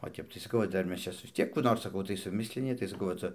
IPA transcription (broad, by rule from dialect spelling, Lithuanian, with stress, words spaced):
oː ˈtʲɛp tɐɪ sɐˈkɐʊ ʋɐ ˈdɐr ˈmʲɛs ˈt͡ʃʲɛ ʋʲɪs ˈtʲiɛk kuː ˈnoːr sɐˈkɐʊ tɐɪ sʊˈmʲɪsʲlʲɪnʲɪ tɐɪ sɐˈkɐʊ ʋɐ ˈt͡sɐ